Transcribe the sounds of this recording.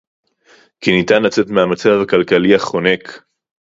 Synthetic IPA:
kinitanlat͡se̞tmeamat͡savakalkaliaχo̞ne̞k

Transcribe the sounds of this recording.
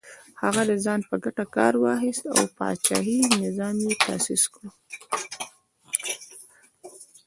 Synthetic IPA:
haɣad̪əzɑnpəɡaʈakɑɾwɑxɪst̪a̰wpɑ̰t͡ʃɑ̰ɦinɪzɑmjet̪asiskɽu

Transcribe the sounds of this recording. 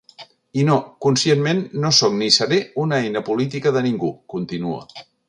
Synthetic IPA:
inokunsienmenːosoknisəɾeunəɛjnəpulit̪ikəðəniŋɡukunt̪inuo̰

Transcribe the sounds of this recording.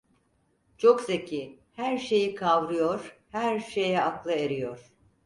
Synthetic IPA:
t͡ʃʰo̞ksecʰi | hæɾʃe̞jikʰavɾɯjoɾ̥hæɾʃe̞jɛaklˠɯeɾijoɾ̥

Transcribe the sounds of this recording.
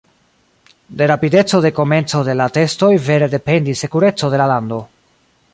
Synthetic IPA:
de̞ɾapide̞t͡so̞de̞ko̞me̞nt͡so̞de̞late̞sto̞jve̞ɾe̞de̞pe̞ndisːe̞kuɾe̞t͡so̞de̞lalando̞

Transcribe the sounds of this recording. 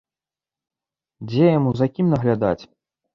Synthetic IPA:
d͡zʲɛjamuzakʲimnɐɣlʲad̪a̰t͡sʲ

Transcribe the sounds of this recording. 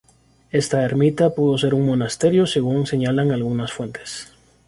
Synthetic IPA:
e̞st̪aeɾmit̪apuðo̞se̞ɾuŋmo̞nast̪e̞ɾjo̞se̞ɣuŋse̞ɲalaŋalɣunasfwe̞nt̪ʰes

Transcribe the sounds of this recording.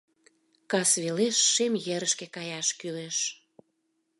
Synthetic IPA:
kɑsβeleʃːemjeɾəʃkekɑjɑʃkyleʃ

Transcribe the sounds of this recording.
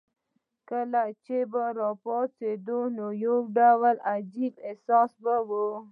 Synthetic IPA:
kəlat͡ʃebaɾɔpɔt͡sed̪onojoɡɖawalad͡ʒibesɑsbawu

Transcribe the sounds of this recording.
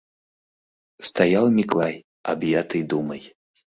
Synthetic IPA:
st̪ajalˠmʲiklˠaj | a̰bjat̪ɨjd̪umɐj

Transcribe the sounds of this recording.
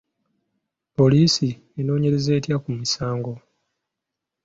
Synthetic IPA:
po̞liːsi | eno̞ːɲe̞ɾe̞ze̞ːtjakumisaːŋɡo̞

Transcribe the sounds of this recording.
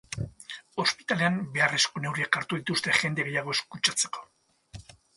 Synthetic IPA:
o̞spi̥t̪ale̞ambe̞are̞skone̞wɾiakaɾt̪uðit̪ust̪e̞ʝe̞nd̪e̞ɣe̞jaɣ̞o̞e̞skut͡ʃat͡se̞̥ko̞̥

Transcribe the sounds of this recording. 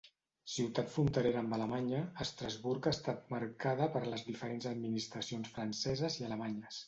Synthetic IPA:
siwt̪at̪funt̪əɾeɾəmbələmaɲəəst̪ɾəzβuɾkast̪at̪̚maɾkaðəpəɾləzðifəɾenzəd̪minist̪ɾəsionsfɾənsɛzəziələmaɲəs

